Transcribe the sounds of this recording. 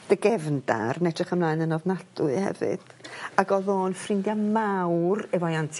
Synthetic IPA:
d̥əɡɛvnda̰rnɛtrɨχəmlˠaɨnənɔvnadʊɨhɛ̰vɨ̰d̥aɡɔðoːnfrɪndjamawrɛvɔjantʰ

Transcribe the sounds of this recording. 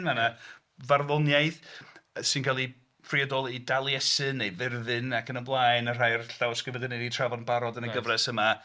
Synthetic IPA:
nmana | varðʊnjajðsɨnkʰalˠi | friadɔlˠidalˠjɛsɨnːejvɪrðɨnakʰənəblˠaːjnər̥ajrɬawskɪvədəneditʰr̥avɔnbaɾɔdənəɡəvrɛsəma

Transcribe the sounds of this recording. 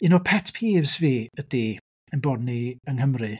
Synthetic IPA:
inopʰɛtʰpʰiːvsveːəd̥eː | ənbɔdniəŋɦəmrɨ

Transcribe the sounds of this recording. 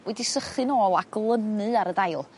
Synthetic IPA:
wɛdisəχɨnoːlˠaɡlˠənɨaɾədajlˠ

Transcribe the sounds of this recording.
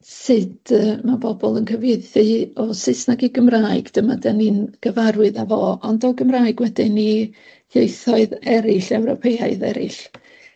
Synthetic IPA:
sɨdəmabɔbɔlˠənkʰəvejθɨɔsɪsnaɡiɡəmraːɨɡd̥əmadɛninɡ̥əvaɾwɨðavɔːɔndɔɡəmraːɨɡwɛdɪnihejθɔɨðɛɾɪɬɛwɾɔpʰeaɨðɛ̰ɾɪ̰ɬ

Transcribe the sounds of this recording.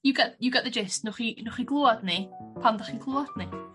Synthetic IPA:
juɡɛʔjəɡɛʔðəd͡ʒɪstnʊχinʊχiɡlˠoːadnɪpʰanðəχiɡlˠoad̥ni

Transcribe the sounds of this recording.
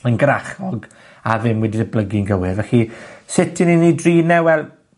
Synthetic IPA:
ənɡɾaχɔɡ | avɪmwɛdidəbləɡɪnɡəwɪrvɛɬisɪtʰɪninidriːnɛwɛlˠ

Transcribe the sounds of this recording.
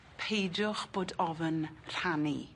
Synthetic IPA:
pʰejdʊχb̥oːdɔvənr̥anḭ

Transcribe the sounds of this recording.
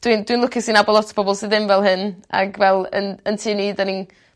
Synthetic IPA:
d̥windwinlʊkʰɪsinabɔlˠɔtʰə̥b̥ɔbɔlˠsɨdɪmvɛlˠɦɨna̰ɡvɛlˠə̰nəntʰiːniːdanin

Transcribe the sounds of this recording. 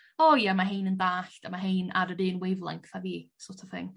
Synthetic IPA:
ɔjamaɦejnəndaːɬtamaɦejna̰dədɨːnwejvlˠa̰ŋkʰθaviːsotʰɔvθɪ̰ŋ

